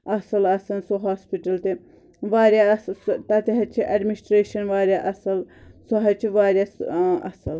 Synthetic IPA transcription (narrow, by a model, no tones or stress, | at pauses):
ɐsɐlɐsɐnsoɦaːspiʈɐlt̪i | ʋaːɾʲjaɐsst̪ɐt̪iɦɐt͡ʃʰiʔɐɖminisʈɾeːʃɐnʋaːɾʲjaʔɐsɐlsoɦɐt͡ʃʰiʋaːɾjasɐ̰sɐl